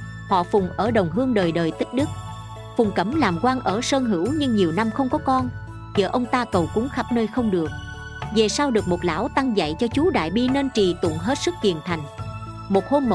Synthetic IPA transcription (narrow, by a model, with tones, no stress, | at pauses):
hɔ̰˧˨fʊ˨˩ŋ͡mʔəː˧˩ɗə˨˩wŋ͡mɦɨ˧əŋɗəː˨˩jɗəː˨˩jt̪ï˦˥k̟̚ɗɨ˦˥k̚ | fʊ˨˩ŋ͡mkə˧˩mlaː˨˩mkwaː˧ŋʔəː˧˩səː˧nɦɨ˧˩˥wɲɨ˧ŋɲi˨˩əwna˧mxə˧wŋ͡mkɔ˨˦kɔ˧n | zəː˧˨˩ʔə˧wŋ͡mt̪aː˧kə˨˩wkʊ˨˦ŋ͡mxa˦˥p̚nəː˧jxə˧wŋ͡mɗɨ˨˩ək̚ | ve˨˩saː˧wɗɨ˨˩ək̚mo˨˩t̚la̰ː˧˥wt̪a˧ŋza̰˧˨jt͡ɕɔ˧t͡ɕu˨˦ɗa̰ː˧˨jɓi˧ne˧nt͡ɕi˨˩t̪ʊ̰˧˨nɦe˦˥t̚sɨ˦˥k̚kḭ˧˨ənt̪ʰa˨˩jŋ̟ | mo˨˩t̚ho˧mː˨